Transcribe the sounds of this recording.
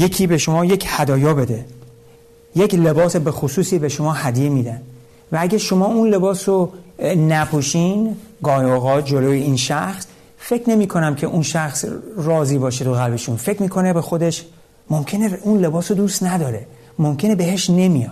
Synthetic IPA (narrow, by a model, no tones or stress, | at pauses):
je̞cʰiːbe̞ʃo̞mɒːje̞cʰhæd̪ɒːjɒːbe̞d̪e̞ | je̞cʰle̞bɒːsebexosuːsiːbe̞ʃo̞mɒːhæd̪ijemiːd̪æn | vææɟʲæʃo̞mɒːunle̞bɒːsonæpʰoʃinɡɒːjoɣɒːt̪̚d͡ʒo̞loːjeiːnʃæxs | fe̞cʰne̞miːkʰo̞næmcʰe̞ʔunʃæxsrɒːziːbɒːʃet̪ʰoɣælbe̞ʃunfe̞cmiːkʰo̞ne̞be̞xo̞d̪e̞ʃ | momcʰe̞neunle̞bɒːsod̪uːst̪næd̪ɒːɾe̞ | momcʰe̞ne̞be̞ɦe̞ʃne̞mijɒːd̪̥